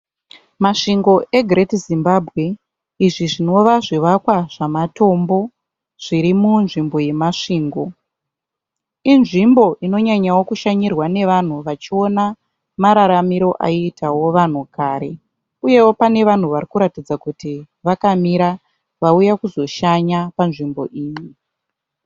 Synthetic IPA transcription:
maʂiŋɡo̞ʔe̞ɡʱretizimbabʱɣe̞ | iʐiʐino̞ʋaʐiʋakwaʐ̥amato̞mbo̞ | ʐ̥iɾimunʐimbo̞je̞maʂiːŋɡo̞ | inʐimbo̞ʔino̞ɲaɲawo̞kuʃaɲirwane̞ʋan̤uʋat͡ʃio̞na | maɾaɾamiɾo̞ʔa̰iːtʰawo̞ʋan̤ukaːɾe̞ | uje̞wo̞pane̞ʋan̤uʋaɾikuɾatid͡zakuti | ʋakamiɾa | ʋaujakuzo̞ʃaɲapanʐimbo̞̰ʔiːɲi

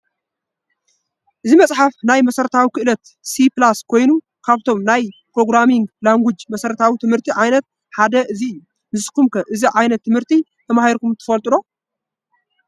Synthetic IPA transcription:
ʔɨzimɐt͡sʼħafnajmɐsɐɾɐt̪ʰawikʰɨʔɨlɐt̪ | siplaskʰo̞jnu | kʰaβt̪ʰo̞mnajpɾo̞ɡɾamiŋɡlaŋɡʷid͡ʒmɐsɐɾɐt̪ʰawit̪ʰɨmhɨɾt̪ʰiʕajnɐt̪̚ | ħad̪ɐʔɨziɨjːu | nɨssʼkumkʰɐʔɨziʕajnɐt̪ʰːɨmhɨɾt̪ʰi | t̪ʰɐmahiɾkumt̪ʰɨ̥fɐlt̪ʼɨlo̞

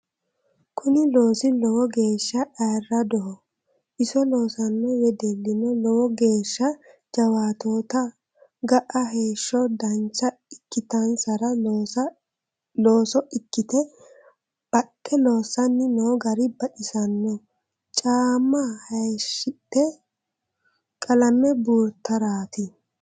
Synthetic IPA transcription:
kʰʊnɪloːsɪlɔwɔɡe̞ːʃːɐʔaːrːɐd̪ɔhɔ | ʔɪsɔloːsɐnːɔwɛd̪ɛlːɪnɔlɔwɔɡe̞ːʃːɐd͡ʒɐwaːt̪oːt̪ɐ | ɡɐʔɐɦe̞ːʃːɔd̪ɐnt͡ʃːɐɪkːɪt̪ɐnsɐɾɐ | loːsɔʔɪkːɪt̪ɛ | b̥ɐtʼːɛlo̞ːsɐnːɪnoːɡɐɾɪbɐʔɪsɐnːɔ | t͡ʃʼaːmːahɐjʃɪt̪ːɛ | kʼɐlɐmɛbuːɾt̪ːɐɾaːt̪ɪ

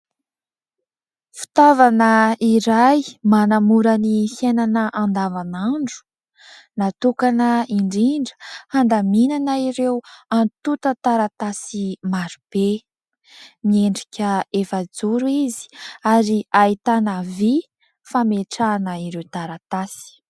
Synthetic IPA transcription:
fi̥t̪avanəiɾajmanamuɾanihenanəʔand̪avanaɳɖ͡ʐu̥ | nat̪ukanəiɳɖ͡ʐiɳɖ͡ʐə̥hand̪aminanaiɾewant̪ut̪ət̪aɾat̪asimaɾub̥e | mieɳɖ͡ʐikʲəefad͡zuɾuizi̥aɾiait̪anəvi | fameʈ͡ʂanəiɾewt̪aɾat̪asi̥

